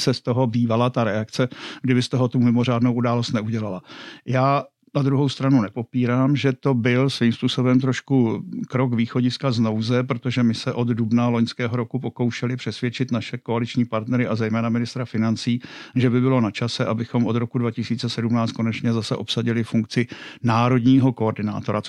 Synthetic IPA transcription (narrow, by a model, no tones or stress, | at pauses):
sɛst̪oɦo̞biːvalat̪aɾɛakt͡sɛɡdɪbɪst̪oɦo̞t̪umɪmo̞r̝aːdnowʔudaːlo̞st̪nɛuɟɛlalajaː | nad̪ɾuɦo̞wst̪ɾanunɛpo̞piːɾaːmʒɛt̪o̞bɪlsviːmspuːso̞bɛmt̪ɾo̞ʃkukɾo̞kviːxo̞ɟɪskazno̞wzɛpɾot̪o̞ʒɛmɪsɛʔo̞d̪dubnalo̞ɲskɛːɦo̞ɾo̞kupo̞ko̞wʃɛlɪpr̝̥ɛsvjɛt͡ʃɪt̪naʃɛko̞alɪt͡ʃɲiːpaɾt̪nɛɾɪʔazɛjmɛːnamɪnɪst̪ɾafɪnant͡siːʒɛbɪbɪlo̞nat͡ʃasɛʔabɪxo̞mʔo̞d̪ɾo̞kudvacɪsiːt͡sɛsɛdumnaːt͡st̪ko̞nɛt͡ʃɲɛzasɛʔo̞psaɟɪlɪfuŋkt͡sɪnaːɾo̞dɲiːɦo̞koordɪna̰ːt̪o̞ɾa